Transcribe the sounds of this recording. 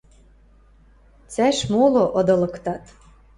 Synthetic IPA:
t͡sæʃmolŏʔod̪ɤ̆lɤ̆kt̪ɑt̪

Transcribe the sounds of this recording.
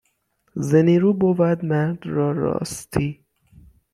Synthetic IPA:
zeniːɾuːbovæd̪mæɾd̪ɾɒːɾɒ̰ːst̪ʰiː

